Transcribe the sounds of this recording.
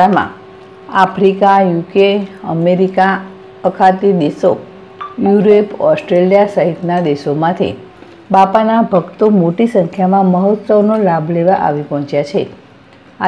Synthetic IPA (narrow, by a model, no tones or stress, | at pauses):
amã̰ | afʰɾikajukeəmeɾika | əkʰat̪id̪eso | juɾepɔsʈɾelijasaɦit̪nad̪esomãt̪ʰḭ | bapanabʱəɡt̪omoʈisəŋkʰjamãməɦət̪səʋnolabʱleʋaʔa̰ʋipɔ̃ɦɔ̃t͡ʃjat͡ʃʰe | a